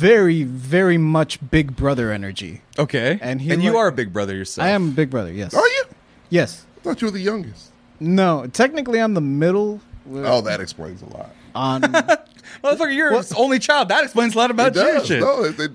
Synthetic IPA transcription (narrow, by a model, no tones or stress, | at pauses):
vɛɹivɛɹimʌt͡ʃb̥ɪɡ̚bɹʌðə˞ɛnə̰˞d͡ʒḭʔoʊkʰeɪɨ̃niɨ̃njɨə˞ɨbɪɡ̚bɹʌðə˞jə˞saɪɨ̃məbɪɡ̚bɹʌðə̰˞jɛ̰sə˞jɨ | jɛs | tɔt͡ʃɨwəðɨjʌ̃ŋɡɨst̚ | noʊtʰɛk̚nɨkliə̃nðəmɪɾl̩ˠoʊðɨɾɨ̰ksplḛ̃ɪ̃nzə̰lɔ̰t̚ʌ̃ | wɛfʌkʌvjə˞wʌõʊ̃nlit͡ʃʰaɪlˠd̪̚ðəɾɨksplẽɪnzəlɔɾəbaʊt̚ʰɛʃɪoʊðe